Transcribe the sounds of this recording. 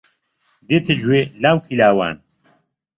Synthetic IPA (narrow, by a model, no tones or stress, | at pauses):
d̪et̪ʰɨd͡ʒwelaːwkʰilaːwa̰ːn